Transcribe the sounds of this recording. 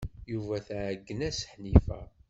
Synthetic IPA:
juvæθʕɡːənæsə̥ħnifæ

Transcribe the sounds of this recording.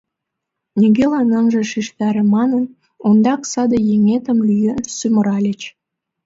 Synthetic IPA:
nʲiɣelɑnɑnʒĕʃiʃt̪ɑɾĕmɑnən | ond̪ɑksɑd̪əjeŋet̪ə̆mlyjəsyməɾɑlʲet͡ɕ

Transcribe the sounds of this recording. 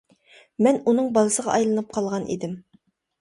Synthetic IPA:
mɛnunɨŋbɑlˠɨsəʁɑ̰ʔɑjlˠɨnɨp̚qʰɑlˠʁɑnʔḭd̪ɪm

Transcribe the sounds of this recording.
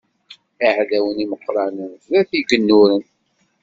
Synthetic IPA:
iʕðæwəniməqːɾˤɑnənðæθiɡənːuɾən

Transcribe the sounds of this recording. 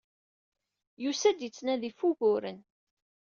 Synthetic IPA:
jusæd̪jit͡sːnæðifuʝʊɾən

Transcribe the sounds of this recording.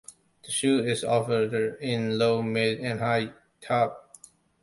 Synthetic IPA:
ð̥əʃuɪzɔfədɪ̃nloʊmɪdɨ̃nhaɪ | tʰɑp̚

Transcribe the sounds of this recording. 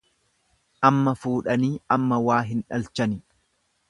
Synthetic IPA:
ʔɐmːɐfuːᶑɐniːɐmːɐwaːɦɪnᶑɐlt͡ʃɐnɪ

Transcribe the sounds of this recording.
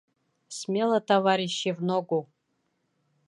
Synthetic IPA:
smʲelˠɐt̪ʰavaɾʲiʃːivnoɡʷu

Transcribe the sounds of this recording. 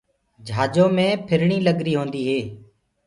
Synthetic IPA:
d͡ʒʱaːd͡ʒõːmẽːpʰɪɾɳiːləɡɾiːɦõːnd̪iːɦeː

